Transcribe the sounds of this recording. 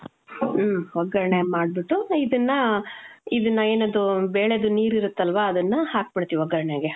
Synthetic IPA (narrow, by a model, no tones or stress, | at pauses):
mʋɔɡɐɾɐɳemaːɖ̚biʈːuid̪ɐnːɐ | id̪ɐnːɐeːnɐd̪ubeːɭed̪uniːɾiɾut̪ːɐlʋaːd̪ɐnːɐhaːk̚pɐɽt̪iʋiɐɡɐɾɐɳeɡe